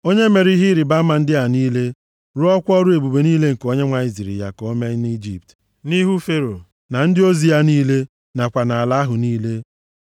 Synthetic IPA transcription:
o˦ɲe˦me˨ɾi˦ɦi˦ɾi˨ba˦ma˨n̩˦dɪ˦a˨niː˦le˦ | ɾʊ˦ɔ˦kʷɔ˦ɾu˦e˨bu˨be˨niː˦le˦ŋ̩˨ko˦ɲe˦ŋʷa˨i˨zi˨ɾḭ˨ja̰˨kɔ˦me˦ni˦d͡ʒi˨p̚t | ni˦ɦu˦fe˦ɾo̰˨ | na˨n̩˦dɪ˦o˦zi˨ja˦niː˦le˦ | na˨kʷa˨na˨a˨la˨˦a˦ɦʊ˨niː˦le˦

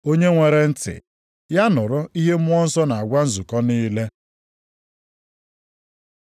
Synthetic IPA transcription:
o˦ɲe˦ŋʷe˨ɾe˨n̩˦tɪ̰˨ | ja˦nʊ˨ɾʊ˦i˦ɦe˦m˦ɔ˦n̩˦sɔ˦na˨a˨ɡʷa˦n̩˦zu˨kɔ˦niː˦le˦

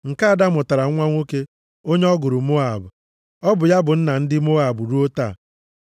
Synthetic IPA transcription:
ŋ̩˨ka˦a˨da˦mʊ˨ta˨ɾa˨˦ŋʷa˦ŋʷo˦ke˦ | o˦ɲe˦ɔ˦ɡʊ˨ɾʊ˨m˦o˦a˨bʊ˨ | ɔ˦bʊ˨ja˦bʊ˨n̩˦na˨n̩˦dɪ˦mo˦a˨bʊ˨ɾu˦o˦ta̰ː˦˨

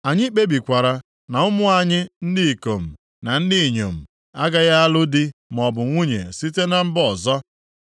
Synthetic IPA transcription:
a˨ɲɪ˦k͡pe˦bi˨kʷa˨ɾa˨ | na˨ʊ˦mʊ˦a˨ɲɪ˦n̩˦dɪ˦˨ko˨m̩˨ | na˨n̩˦dɪ˦˨ɲo̰˨m̩˨ | a˦ɡa˦ɣa˦a˦lʊ˦dɪ˦m˨ɔ˨bʊ˨ŋʷu˦ɲḛ˨si˦te˦na˦m̩˦bɔ˨zɔ˦

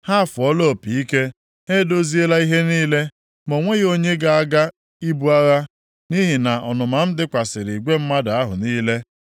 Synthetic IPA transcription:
ha˦˨fʊ˨ɔ˦lo˦˨pi˨i˦ke˦ | e˦do˦zi˦e˦la˦i˦ɦe˦niː˦le˦ | mo˨ŋʷe˦ɣo˦ɲe˦ɡa˨a˦ɡa˦ | i˦bu˦a˦ɣa˦ | ni˦ɦi˨na˨ʔɔ˨nʊ˨ma˨m̩˦dɪ˦kʷa˨sɪ˨ɾi˨ɡʷe˦m̩˦ma˦da˨a˦ɦʊ̰˨niː˦le˦

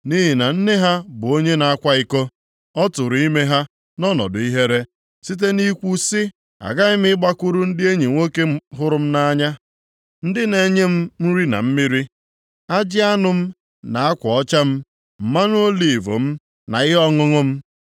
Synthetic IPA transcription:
ni˦ɦi˨na˨n̩˦ne˦ɦa˦bʊ˨o˦ɲe˦na˨a˦kʷa˦ɪ˦ko˦ | ɔ˦tʊ˨ɾʊ˨i˦me˦ɦa˦ | nɔ˦nɔ̰˨dʊ̰˨i˦ɦe˦ɾe˦ | si˦t̬e˦ni˦kʷu˦sɪ˦ | a̰˨ɡa˦ɪ˦m̩˦ɪ˦ɡ͡ba˦kʷu˦ɾʊ˦n̩˦dɪ˦e˦ɲi˨ŋʷo˦ke˦ɦʊ˦ɾʊ˦m̩˦na˦ɲa˦ | n̩˦dɪ˦ne˨ɲe˦m̩˦m̩˦ɾi˦na̰˨m̩˦mi˦ɾi˦ | a˦d͡ʒɪ˦a˦nʊ˨m̩˦ | na˨a˦kʷɔ˨ɔ˦t͡ʃa˦m̩˦ | m̩˨ma˦nʊ˦o˦li˨vo̰˨m̩˦ | na̰˨ɪ˦ɦɔ˦ŋʊ˦ŋʊ˦m̩˦

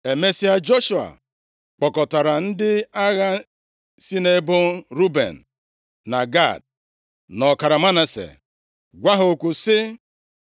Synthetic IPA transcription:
e˨me˦si˦a˦d͡ʒo˦ʃu˨a̰˨ | k͡pɔ˨kɔ˨ta˨ɾa˨n̩˦dɪ˦a˦ɣa˦ | si˦ne˦bʊ˦ɾu˦bḛ˨n̩˨ | na˨ɡa̰˦˨d̚ | nɔ˨ka˨ɾa˨ma˦na˨sḛ˨ | ɡʷa˦ɦo˨kʷu˨sɪ˦

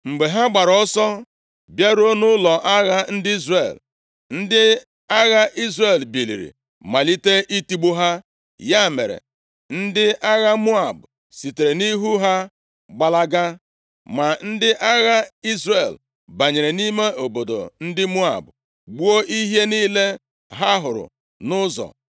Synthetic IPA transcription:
ŋ͡m̩˨ɡ͡be˨ɦa˦ɡ͡ba˨ɾɔ˦sɔ˦ | bja˦ɾo˦nʊ˦lɔ˨ʔa˦ɣa˦n̩˦dɪ˦i˦zre˨l | n̩˦dɪ˦ | a˦ɣa˦ʔi˦zre˨lbi˨lḭ˨ɾḭ˨ | ma˨li˦te˦ʔi˦ti˦ɡ͡bu˦ɦa˦ | ja˦˨mḛ˨ɾḛ˨ | n̩˦dɪ˦a˦ɣa˦mu˦a˨bʊ˨ | si˨te˨ɾe˨ni˦ɦu˦ɦa˦ | ɡ͡ba˨la˦ɡa˦ | ma˨n̩˦dɪ˦ʔa˦ɣa˦i˦zre˨l | ba˨ɲe˨ɾe˨ni˦me˦ʔo˨bo˨do̰˨n̩˦dɪ˦mu˦a̰˨bʊ˨ | ɡ͡bu˦o˦ʔi˦ɦje˦niː˦le˦ | ɦa˦ɦʊ˨ɾʊ̰˨ | nʊ˦zɔ̰˨

